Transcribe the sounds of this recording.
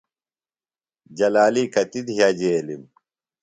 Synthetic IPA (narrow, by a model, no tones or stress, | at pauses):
d͡ʑɐlaːlikɐt̪id̪ɦjad͡ʑeːlim